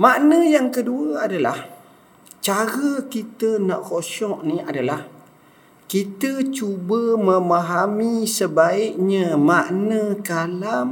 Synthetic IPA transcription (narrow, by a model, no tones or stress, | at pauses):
maʔnəjaŋkəduəadala̰h | t͡ʃaɾəkit̪ənaʔkoʃɔʔniadalah | kit̪ət͡ʃubəməmaɦamisəbaɪʔ̚ɲəmaʔnəkalam